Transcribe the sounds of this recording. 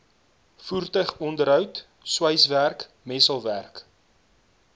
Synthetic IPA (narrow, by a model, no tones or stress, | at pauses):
furtəɥχɔndəɾɦœwt | swəjsværk | mɛsəlˠværk